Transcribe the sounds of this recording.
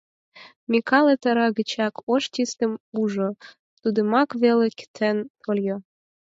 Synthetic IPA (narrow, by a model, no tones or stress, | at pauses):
mʲikʰɑlet̪ɑɾɑɣət͡ɕɑkoʃt̪ʲist̪ə̆muʒo | t̪ud̪ə̆mɑkβelekə̥t̪ʰent̪ʰoljo